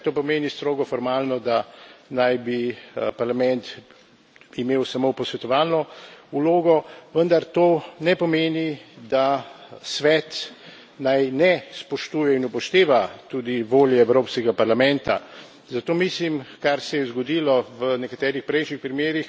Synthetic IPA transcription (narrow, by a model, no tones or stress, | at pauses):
t̪oːpɔmeːnist̪ɾoːɡɔfɔɾmaːlnɔd̪anajbipaɾlamɛnt̪ | imeːwsamopɔsʋɛt̪ɔʋaːlnɔuloːɡɔʋənd̪aɾt̪oːnɛpɔmeːnid̪asʋɛt̪ | najnɛspɔʃt̪uːjɛinupɔʃt̪eːʋat̪ud̪iʋoːljɛɛwɾoːpskɛɡapaɾlamɛnt̪a̰ | zat̪oːmislimkaɾsɛjɛzɡɔd̪ilɔʋənɛkat̪ɛːɾixpɾɛjʃnixpɾimeːɾix